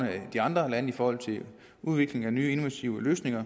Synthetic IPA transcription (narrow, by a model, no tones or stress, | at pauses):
nəæd̥iɑ̈nd̥ʁɐlænəifɒːhɒ̽l̰t͡sʰe̝l | uð̞ˠʋe̝ɡ̥le̝ŋænyːe̝no̝ʋæt͡sʰiʊəløːsne̝ŋɐ